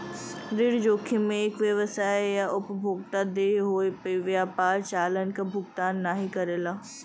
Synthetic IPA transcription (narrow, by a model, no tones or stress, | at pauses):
ɾɪɽd͡ʒoːkʰimẽeːkʋjɐʋəsaːejaʊpbʱoːɡ̚t̪ad̪eːɦoːepeʋjaːpaːɾt͡ʃaːlənkabʱʊɡt̪aːnːaɦikɐɾeːlaː